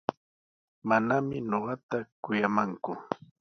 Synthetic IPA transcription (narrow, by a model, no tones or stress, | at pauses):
manamɪɲoɢɑt̪akʊjamaŋkʊ